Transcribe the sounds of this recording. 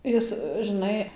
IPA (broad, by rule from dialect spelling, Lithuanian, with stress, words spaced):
ˈjɪs ʒɨˈnɐɪ